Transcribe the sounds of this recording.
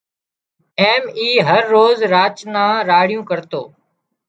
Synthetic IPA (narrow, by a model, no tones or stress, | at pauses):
eːmiːɦəɾːoːzɾaːt͡ʃnãːɾaːɽɪjũːkəɾt̪o̰ː